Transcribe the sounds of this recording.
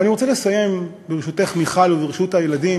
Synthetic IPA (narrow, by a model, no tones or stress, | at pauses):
aniʁo̞t͡selesaje̞m | beʁeʃut̪eχmiχaloveʁeʃutajeladi